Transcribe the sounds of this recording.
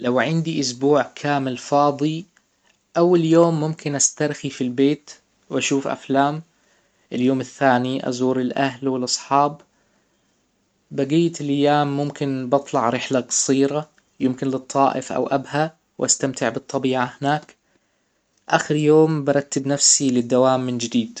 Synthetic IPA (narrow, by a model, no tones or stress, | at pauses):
lawʕɪnd̪iʔʊsbuːʕkʰaːmɪlfɑːd̪ˤi | ʔawːaljoːmːʊmkɪnʔast̪ɑɾˤxifilbeːt̪ | wʔaʃuːfʔa̰flaːm | ʔɪljoːmɪθːaːniʔɑ̰zuːɾɪlʔaɦlwɪlʔɑsˤħɑːb | aɡɪːt̪ɪlʔajːaːmːʊmkɪnbɨt̪ˤlɑʕɾɪħlaqɑ̥sˤiːɾa | jɪmkɪnlɨt̪ˤːɑːʔɪfʔa̰wʔabha | wʔa̰st̪amt̪ʰɪʕbɨt̪ˤːɑbiːʕahɪnaːk | ʔaːxɪɾjoːmbɑɾˤɑt̪ːɪbnafsilɪd̪ːawaːmːɪnd͡ʒɪd̪iːd̪̥